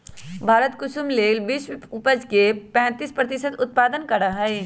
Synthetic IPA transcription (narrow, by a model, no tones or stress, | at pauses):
bʱaːɾət̪kʊʃumleːlbiʃʊpəd͡ʒkepɛ̃ːt̪ispɾət̪ɪsəd̪ʊt̪̚paːd̪ənkɐɾaɦɛe